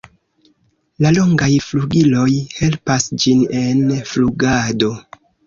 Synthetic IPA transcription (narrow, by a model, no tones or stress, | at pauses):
lalo̞ŋɡajfluɡilo̞jhe̞lpasd͡ʒinenfluɡado̞